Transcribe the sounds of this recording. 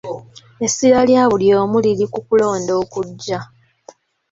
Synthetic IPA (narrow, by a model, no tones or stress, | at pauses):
e̞sːiɾaljaːβuljo̞ːmuliɾikukulo̞ːndo̞ːkuɟːa